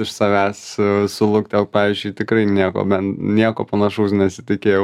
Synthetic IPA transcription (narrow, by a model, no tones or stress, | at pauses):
ɪʃsɐʋʲæːssʊlˠʊkt̪ʲɛlˠk̚pɑːʋʲiːzʲd͡ʒʲʉɪt̪ʲɪkɾɐɪnʲiɛko̰ːbʲɛntnʲiɛkoːpɐnɐʃoʊsnʲɛsʲɪ̥t̪ʲɪkʲeːjɛʊ